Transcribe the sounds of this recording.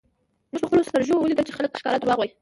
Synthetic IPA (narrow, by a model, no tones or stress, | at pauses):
məʒləxpəlost̪əɾʒowəlid̪əlt͡ʃexaləkʃkɑ̰lat̪wɑɣwaj